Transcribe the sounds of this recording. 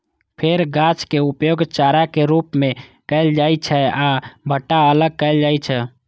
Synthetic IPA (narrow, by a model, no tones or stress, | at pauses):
pʰeɾɡãt͡ʃkeupjoɡt͡ʃaɾakeɾupmekəɪld͡ʒajt͡ʃʰɛabʱəʈːaələɡ̚kəɪld͡ʒajt͡ʃʰɛ